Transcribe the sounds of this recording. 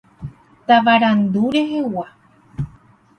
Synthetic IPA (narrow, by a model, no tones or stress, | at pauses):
t̪aʋaɾand̪uɾe̞ɦe̞wa